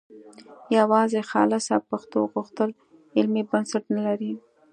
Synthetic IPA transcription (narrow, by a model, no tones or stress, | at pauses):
jawɑzexɑ̰lasɑpaxt̪o̰ɣuxt̪əl | ɪlmibənsaʈnalaɾi